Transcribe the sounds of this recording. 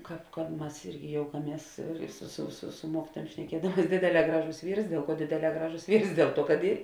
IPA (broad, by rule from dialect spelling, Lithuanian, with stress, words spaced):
ˈkɑːp kɐ ˈmɐs ˈɪrʲɡʲɪ ˈjoːʊkɐˌmʲiɛs sʊ sʊ sʊ sʊ ˈmuɔkʲɪtuɔjuɔm ʃʲnʲɛˈkʲiɛdɐmuɔs ˈdʲeːdʲeːˌlʲɛː ˈɡrɑːˌʒoːs ˈʋʲiːrs ˈdʲeːlˠ ˌkuɔ ˈdʲeːdʲeːˌlʲɛː ˈɡrɑːˌʒoːs ˈʋʲiːrs ˈdʲeːlˠ ˌtuɔ kɐt ˈiː